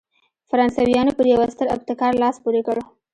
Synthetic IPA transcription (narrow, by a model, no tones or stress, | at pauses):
faɾɑnsawijɑnopəɾjawast̪əɾa̰b̚t̪ɪkɑɾlɑspoɾekəɽo